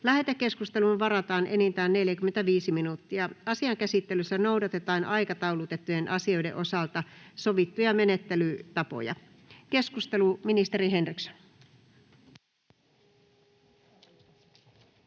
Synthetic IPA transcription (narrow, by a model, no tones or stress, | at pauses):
læɦet̪ækːe̞skust̪e̞lunʋɑɾɑt̪ɑːnʔe̞nint̪æːnːe̞ljækymːent̪æʋiːsiminut̪ːiɑɑsiɑŋkæsit̪ːe̞lysːæno̞udɑt̪et̪ɑːnɑjkɑt̪ɑulut̪e̞t̪ːujenʔɑsio̞jdḛʔo̞sɑlt̪ɑso̞ʋit̪ːujɑme̞ne̞t̪ːelyt̪ɑpo̞̰jɑ̰ | ke̞skust̪e̞luminist̪e̞ɾiɦe̞nrikso̥n